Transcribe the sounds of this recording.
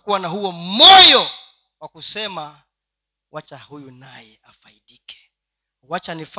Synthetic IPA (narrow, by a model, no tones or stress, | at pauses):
kuwanaɦuɔmɔjɔ | wakusɛma | wat͡ʃahujunajɛafaiɗikɛ̥ | wat͡ʃanif